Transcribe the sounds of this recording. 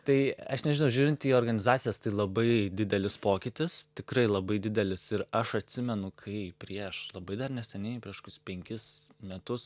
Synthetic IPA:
t̪ɐɪɐ̰ʃnʲɛʒʲɪnʊʒʲuːɾʲɪnt̪ʲiːoːrɡɐnʲɪzɑːt̪ʲt͡sʲɪjɛst̪ɐɪlˠɐbɐɪd̪ʲɪd̪ʲɛlʲɪspoːkʲɪt̪ʲɪst̪ʲɪkɾɐɪlˠɐbɐɪd̪ʲɪd̪ʲɛlʲɪsɪɾɐʃɐt̪ʲsʲɪmʲɛnʊkʰɐɪpʲɾʲiɛʃlˠɐbɐɪd̪ɐrnʲɛsʲɛnʲɛɪpʲɾʲiɛʃkʊspʲɛŋʲkʲɪsmʲɛt̪ʊs

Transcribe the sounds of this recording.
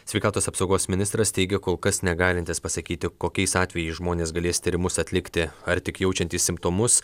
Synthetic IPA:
sʲʋʲɛɪkɑːt̪oːsɐpsɒʊɡoːsmʲɪnʲɪst̪ɾɐst̪ʲɛɪɡʲɛkoːlˠkɐsnʲɛɡɑːlʲɪnt̪ʲɪspɐsɐkʲiːt̪ʲɪkoːkʲɛɪsɑːt̪ʲʋʲɛjɛɪʒmoːnʲeːsɡɐlʲeːst̪ʲiːɾʲɪmʊsɐt̪ʲlʲɪkt̪ʲɪɐɾt̪ʲɪkjɛʊt͡ʃʲɛnʲt̪ʲiːssʲɪmpt̪oːmʊs

